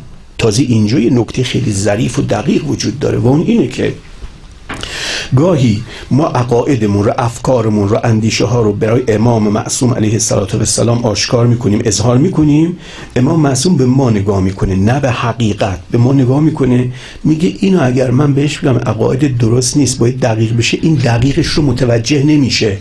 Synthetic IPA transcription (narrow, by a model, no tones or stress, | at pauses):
t̪ʰɒːzeʔind͡ʒɒːjenokʰt̪ʰejxejlizæɾiːfod̪æɣiːɣvod͡ʒuːd̪̚ːɒ̰ːɾe̞̰væunʔiːnekʰḛ | ɡɒːɦiːmɒːʔæɣɒːʔed̪emunɾoʔæfkʰɒːɾemunɾoʔænd̪iːʃeɦɒːɾobæɾɒːjeʔemɒːmemæ̰ʔsuːmʔæ̰lejhesːæ̰lɒːt̪ʰovæsːæ̰lɒːmʔɒːʃkʰɒːɾmiːkʰo̞niːmʔezhɒːɾmiːkʰo̞niːm | ʔemɒːmemæʔsuːmbemɒːne̞ɡɒːhmiːkʰonenæbehæɡiːɡæt̪̚bemɒːneɡɒːhmiːkʰo̞ne | miːɟeʔiːnɒæɟæɾmænbeheʃmiɡæmʔæ̰ɣɒ̰ːʔe̞d̪ed̪oɾost̪niːst̪̚bɒːjæd̪ːæɣiːɣbe̞ʃeʔiːnd̪æɣiːɣeʃromot̪ʰævæd͡ʒːe̞hne̞miːʃe